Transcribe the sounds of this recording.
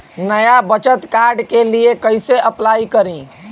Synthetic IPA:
nəjabət͡ʃət̪kaɾɖkeliekəjseʔəplaikəɾĩ

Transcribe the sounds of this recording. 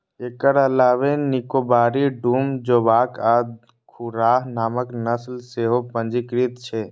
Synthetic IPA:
eːkəɾəlaːʋenikobaːɾiɖuːmd͡ʒobaːkaːd̪ | kʰuɾaːɦnaːməknəslseɦopə̃nd͡ʒikɾit̪t͡ʃʰɛ

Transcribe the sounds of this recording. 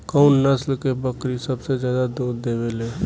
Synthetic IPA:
kəʊnnəslkebəkɾisəbsed͡ʒjaːd̪ad̪uːɾd̪ebele

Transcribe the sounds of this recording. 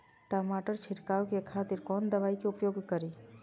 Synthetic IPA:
ʈɔːmaːʈəɾt͡ʃʰɪʈkaːwkekʰaːt̪ɪɾkɔːnd̪ɐʋaːikeʊpjoːɡkəɾi

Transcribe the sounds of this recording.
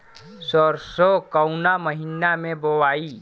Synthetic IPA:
sɔɾsokəʊnaməɦinamẽbəwaːiː

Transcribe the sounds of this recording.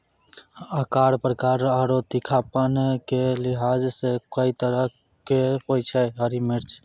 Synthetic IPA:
əkaːɽpɾəkaːɾəɾot̪ikʰaːpənkelɪɦaːd͡ʒsekəit̪əɾə | kepojt͡ʃʰɛɦəɾimɪɾt͡ʃʰ

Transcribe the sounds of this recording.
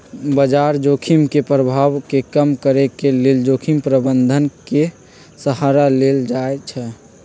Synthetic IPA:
bəd͡ʒaɾd͡ʒokʰimkepɾəbʱawkekəmkəɾekeleld͡ʒokʰimpɾəbənd̪ʱənke | səɦaɾaleld͡ʒaet͡ʃʰɛ

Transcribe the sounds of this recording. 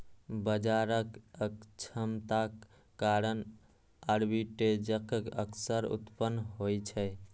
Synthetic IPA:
bəd͡ʒaɾəkəkt͡ʃʰəmt̪akː | aɾən | əɾbiʈed͡ʒəkkəksəɾṵt̪pənːɦojt͡ʃʰɛ

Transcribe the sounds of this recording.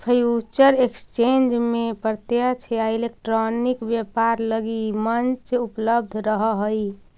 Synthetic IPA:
pʰəjut͡ʃəɾekst͡ʃend͡ʒmepɾət̪jət͡ʃʰeailek̚ʈɾonikbjepaɾləɡimənt͡ʃupləb̚d̪ʱɾəɦəɦəj

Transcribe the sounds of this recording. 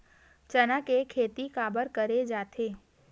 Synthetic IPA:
t͡ʃɐnakekʰeːt̪ikaːbəɾkəɾed͡ʒaːt̪ʰeː

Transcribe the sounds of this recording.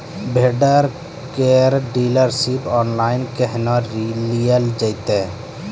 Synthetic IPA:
bʱeːɖəɾ | keːɾɖiːləɾsipɔːnlaːɪnkəɦnaɾilijəld͡ʒəɪt̪e

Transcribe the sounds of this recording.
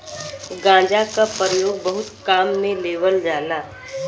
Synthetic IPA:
ɡãːd͡ʒakapɾəjoːɡ̚bɐɦʊt̪kaːmːẽleːʋəld͡ʒaːlaː

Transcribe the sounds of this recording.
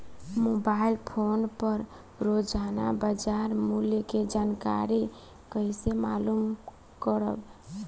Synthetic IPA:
mobailpʰonpəɾ | ɾod͡ʒana̰bəd͡ʒaɾmuljəked͡ʒanka̰ɾi | kəisemalum | kəɾə̰b

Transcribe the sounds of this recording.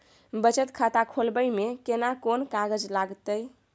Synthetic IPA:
bət͡ʃət̪kʰat̪akʰolbəjmekenakonkaɡəd͡ʒlaɡt̪əj

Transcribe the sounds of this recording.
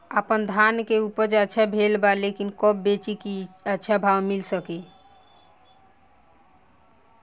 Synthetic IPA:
əpənd̪ʱankeupəd͡ʒəːʃʰabʱelbalekinkɔb̚bet͡ʃikiətːʃʰabʱawmilsəke

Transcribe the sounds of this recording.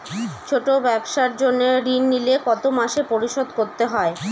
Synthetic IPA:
t͡ɕʰoʈobɛbʃaɾd͡ʑonːeɾinːilekɔt̪omaʃepoɾiʃod̪koɾt̪eɦɔe

